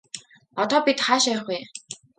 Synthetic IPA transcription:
ɔt̪ɔːpit̪χaːʃæːχuj

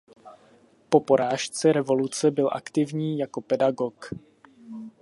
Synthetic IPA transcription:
po̞po̞ɾaːʃt͡sɛɾɛvo̞lut͡sɛbɪlʔa̰kt̪ɪvɲiːjako̞pɛdaɡo̞k

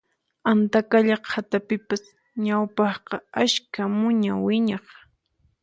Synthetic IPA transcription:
ant̪akaʎɑqhat̪apɪpas | ɲawpɑχqɑaʃkamʊɲawɪɲɑχ

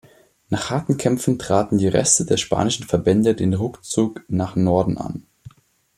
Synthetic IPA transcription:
naːχhaɐtn̩kʰɛmfn̩tʁ̥aːtn̩diːʁɛ̰stədeːɐʃpa̰ːnɪʃn̩fɛɐbɛndədeːnʁʊkt͡suːknaːχnɔɐdn̩ʔa̰n

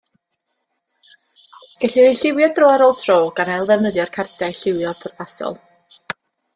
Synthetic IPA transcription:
ɡ̥ɛɬɪeɬɪwjɔdroːaɾoːlˠtʰroːɡ̥anɛjlˠðɛvnəðjɔrkʰardɛɬɪwjɔpʰʊrpʰasɔ̰lˠ

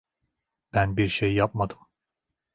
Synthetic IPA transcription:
b̥ænbiɾʃejːap̚mad̪ɯm

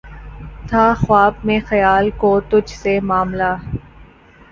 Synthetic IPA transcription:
t̪ʰaxwaːb̚mẽxɐjaːlkoːt̪ʊd͡ʒʱsemaːmlaː

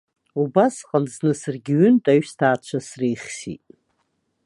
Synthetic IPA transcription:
ubasqʼanznɨsɨrɡʲɪɥʏntʼaɥstʰaːt͡ʃʷʰasrejχʲsḭtʼ

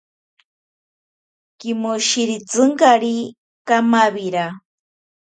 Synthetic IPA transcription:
kimoʃiɾit͡sɨŋkaɾi | kamaβiɾa

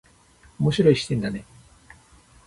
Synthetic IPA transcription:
o̞mo̞ɕiɾo̞iɕi̥t̪ẽ̞nd̪ane̞

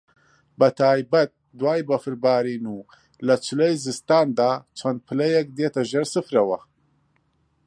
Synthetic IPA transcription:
bɐt̪ʰaːjbɐt̪̚ | d̪waːjbɐfɨɾbaːɾiːnuː | lɐt͡ʃʰɨlejzɨst̪aːnd̪aːt͡ʃʰɐnd̪̚pʰɨlɐjɛk̚d̪eːt̪ɐʒeɾsɨfɾɐwɐ

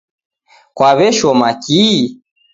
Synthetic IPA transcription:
kwaβɛʃɔmaki

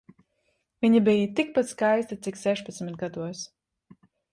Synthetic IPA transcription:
viɲibijət̪ik̚pat̪skajst̪at̪siksɛʃpat̪smʲit̪̚ɡad̪uɔs

